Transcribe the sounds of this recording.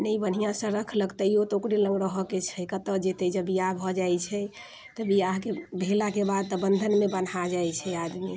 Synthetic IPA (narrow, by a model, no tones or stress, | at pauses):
nəbən̤ijãsə̃ɾəkʰləɡt̪əjot̪okɾelə̃ŋɡɾəɦɔket͡ʃʰɛkət̪əd͡ʒet̪ɛd͡ʒəbijabʱɔd͡ʒajt͡ʃʰɛ | t̪əbiakebʱelakebad̪̚t̪ɔbənd̪ʱənmebən̤ad͡ʒajt͡ʃʰɛad̪mi